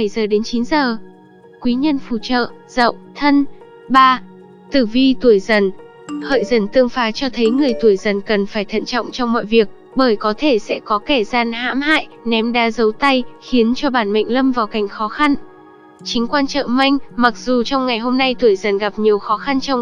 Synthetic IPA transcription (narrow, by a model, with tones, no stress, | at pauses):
ə˧˩jzəː˨˩ɗe˨˦nt͡ɕi˨˦nzəː˨˩ | kwi˨˦ɲə˧nfṵ˧˩t͡ɕə̰ː˧˨ | z̥ə̰˧˨wt̪ʰə˧n | ɓaː˧ | t̪ɨ˧˩vi˧t̪u˧˩əjzə˨˩n | hə̰ː˧˨jzə˨˧˩nt̪ɨ˧əŋfaː˨˦t͡ɕɔ˧t̪ʰə˨˦jŋɨ˨˩əjt̪u˧˩əjzə˨˩nkə˨˩nfaː˧˩jt̪ʰə̰˧˨nt͡ɕɔ̰˧˨wŋ͡mt͡ɕɔ˧wŋ͡mmɔ̰˧˨jvi˨˩ək̚ | ɓəː˧˩jkɔ˨˦t̪ʰe˧˩sɛ̰˧˥kɔ˨˦ke˧˩zaː˧˩nha̰ː˧˥mha̰ː˧˨j | nɛ˨˦mɗa̰ː˨˦zə˨˦wt̪a˧jxi˨˦ənt͡ɕɔ˧ɓaː˧˩nmə̰˧˨jŋ̟lə˧mvaː˨˩wka˨˩jŋ̟xɔ˨˦xa˧n | t͡ɕï˨˦ŋ̟kwaː˧nt͡ɕə̰ː˧˨ma˧jŋ̟ma˨˩k̚z̥u˨˩t͡ɕɔ˧wŋ͡mŋa˨˩jɦo˧mna˧jt̪u˧˩əjzə˨˩nɣa˨˩p̚ɲi˨˩əwxɔ˨˦xa˧nt͡ɕɔ˧wŋ͡m